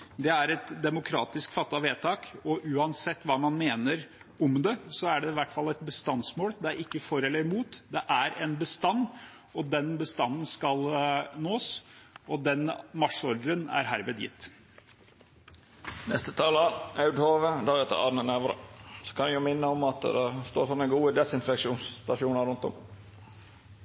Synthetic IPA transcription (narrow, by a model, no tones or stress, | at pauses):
d̪ɛæɾɛt̪d̪ɛmʊkʰɾɑːt̪ɪskfɑt̪ːɑʋeːt̪ʰɑːkɔʔʉːɑnsɛt̪ːʋɑːmɑnmeːnəɾ | ʊmd̪ɛsɔæɖɛɪʋæʈːfɑlːɛt̪bəst̪ɑnsmoːld̪ɛæɾɪkːəfɔɾɛlːəɾmuːt̪d̪ɛʔæɾɛnbəst̪ɑnː | ɔd̪ɛnbəst̪ɑnːənskɑlnoːsɔd̪ɛnmɑʂɔɾd̪əɾənæ̰ɾɦæːɾʋeːd̪jɪ̰t̪ː | nɛst̪ət̪ʰɑːləɾɑʉd̪hoːʋəd̪æɾɛt̪ːə̰ɾɑ̰ɾnəneʋɾə̰sɔ̥kʰɑnjʊmɪnːəɔmɑt̪d̪ɛst̪oːɾʂɔnːəɡuːəd̪ɛsɪnfɛkʂuːnst̪ɑʂuːnəɾʉnt̪ɔ̰m